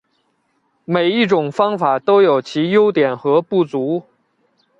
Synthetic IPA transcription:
me˨˩ɪi˥˩ʈ͡ʂʊ˨˩ŋfɑ˥ŋfa˨˩t̪o˥ʊjo˨˩ʊt͡ɕʰi˧˥jo˥ʊt̪jɛ˨˩nxɤ˧˥pu˥˩t͡su˧˥

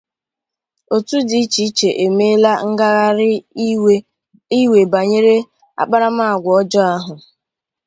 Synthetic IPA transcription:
o˨tu˦di˨i˦t͡ʃi˨˦i˦t͡ʃe˨ʔe˨me˦la˦ŋ̩˦ɡa˦ɣa˦ɾɪ˦ | i˦we˨ba˨ɲe˦ɾe˦ | a̰˦˨k͡pa˦ɾa˦ma˦a˨ɡʷɔ˦d͡ʒɔ˦a˦ɦʊ˨

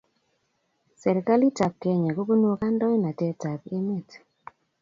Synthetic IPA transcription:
sɛ˨ɾi˨ka˦li˦ta˨p̚kɛ˨ɲa˨ɡo˦ɡo˦n˦o˨ka˦ndɔ˦jna˨tɛ˦ta˨ki˦mi˦˨t

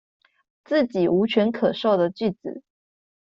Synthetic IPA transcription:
t͡sɹ̩˥˩t͡ɕi˨˩u˧˥t͡ɕʰɥɛ˧˥nkʰɤ˨˩ʂo˥˩ʊd̪ə˩t͡ɕy˥˩t͡sɹ̩̰˨˩˦

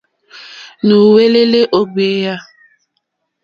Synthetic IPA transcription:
nu˨we˦le˦le˦ʔo˦ɡ͡be˦ja˦

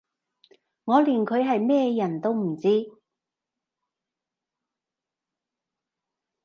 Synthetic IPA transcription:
ŋɔː˨˧liː˨nkʰɵ˨˧ɥɦɐ˨jmɛː˥jɐ˨˩nt̪o˥wm̩˨˩t͡siː˥

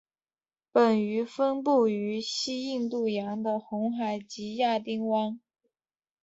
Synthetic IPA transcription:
pə˨˩ny˧˥fə˥npu˥˩y˧˥ɕi˥i˥˧ŋt̪u˥˩jɑ˧˥ŋd̪ə˧xʊ˧˥ŋxa˨˩ɪt͡ɕi˧˥ja˥˩t̪i˥ŋwɑ˥ŋ

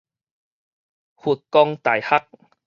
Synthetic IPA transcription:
hu˨t̚kɔ˧ŋt̪a˨˩jha˦k̚

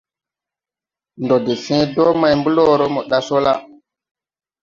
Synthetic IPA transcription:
ndo˨de˨sĩ˦do˦ma˨jmbu˦lo˦ɾo˦mo˨ɗa˦so˦la˦

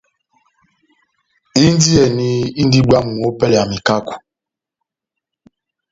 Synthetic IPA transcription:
i˦n˦di˦ɛ˨ni˦i˦n˦di˦ɡ͡ba˦mu˨o˦pɛ˦la˨mi˨ka˦ku̥˨

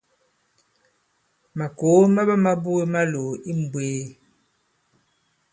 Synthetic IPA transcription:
ma˨ko˨˦ma˦bə˦ma˦bu˦e˦ma˦lo˨i˦m̩˨bweː˨˦

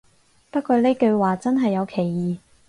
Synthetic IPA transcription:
pɐ˥t̚kɔː˧le˥kɵ˧ɥwaː˨t͡sɐ˥nɦɐ˨jːɐ˨˧wkʰe˨˩jːiː˨

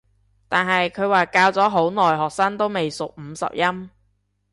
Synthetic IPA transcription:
t̪aː˨nɦɐ˨jkʰɵ˨˧ɥwaː˨kaː˧wt͡sɔː˨˥ɦo˨˥wnɔː˨˩jɦɔː˨k̚saː˥nt̪o˥wme˨jsʊ˨k̚m̩˨˧sɐ̰˨p̚jɐ˥m

